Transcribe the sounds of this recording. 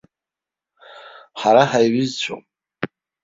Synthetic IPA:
ħaɾaħajɥizt͡ɕʷʰo̰m

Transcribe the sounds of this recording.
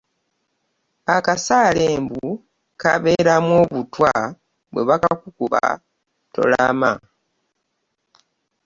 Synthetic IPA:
akasaːleːmbu | kaβe̞ːɾamwo̞ːβutwa | βweβakakukuβa̰ | to̞̰lama

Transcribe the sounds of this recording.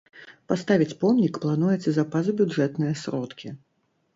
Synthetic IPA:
past̪avʲit͡sʲpɔmnʲikplˠanujɛt̪sɐzapazubʲuʐɛt̪nɨjɐsɾɔt̪kʲi

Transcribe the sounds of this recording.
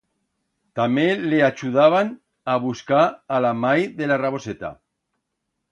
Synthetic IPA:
t̪ameleat͡ʃuð̞aβ̞an | aβ̞uskaːlamajðelaraβo̞set̪a̰

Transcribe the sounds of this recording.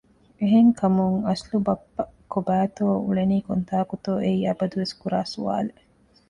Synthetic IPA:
eɦeŋkʰɐmuŋɐslubɐpːɐkobæːt̪oːuɭeniːkont̪aːkut̪oːʔeiːɐbɐd̪uʋeskuɾaːsuʋa̰ːle

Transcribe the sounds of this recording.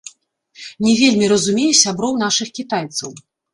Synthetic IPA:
nʲɛvʲelʲmʲiɾɐzumʲejʲisʲabɾɔwnaʂɨxkʲit̪ajt̪sɐw

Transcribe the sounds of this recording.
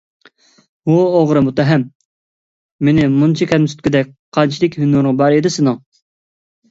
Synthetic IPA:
uoʁɾɨmut̪ɛɦɛm | enɪmunt͡ʃʰikʲʰɛlmsy̥t̪̚kʲid̪ɛk̚ʲqʰɑnt͡ʃʰilɪkʲhynːuɾʁɑbɑɾed̪ɪsɪnɨŋ

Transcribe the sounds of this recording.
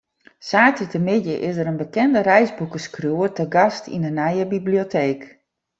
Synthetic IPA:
saːtətəmɪdjəʔɪsəɾənbəkɛndəɾɛjzbukəskruətəɡɑstḭndənɛjəbibliotʰeːk

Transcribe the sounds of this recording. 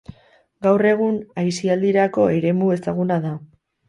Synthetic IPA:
ɡawre̞ɣ̞unajsiald̪iɾako̞e̞ɾe̞mue̞saɣunaða

